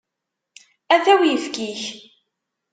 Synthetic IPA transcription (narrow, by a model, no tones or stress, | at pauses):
æθæwjəfkiç